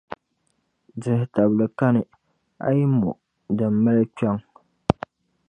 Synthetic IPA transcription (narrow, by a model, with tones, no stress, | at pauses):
dɪ˨hta˨blɨ˨ka˦nɨ˨ | a̰˦ji˦mɔ˨ | dɨ˨mː˨a˦lɨ˦t͡ʃa˦ŋ